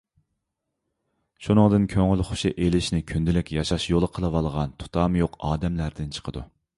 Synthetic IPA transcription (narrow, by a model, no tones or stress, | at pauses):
ʃunɨŋd̪ɨnkʲʰøŋylχʊ̥ʃɨʔelɪʃnɪkʲʰynd̪ɪlɪkʲjɑʃɑʃjolˠəqʰəlˠəwɑlˠʁɑnt̪ʰu̥t̪ʰɑːmjoqɑːd̪ɛmlæɾd̪ɪnt͡ʃʰə̥qʰəd̪ṵ